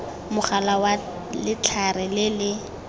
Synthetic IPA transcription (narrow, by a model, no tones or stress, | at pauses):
mʊχalawa | lɪt͡ɬʰarɪlɪlɪ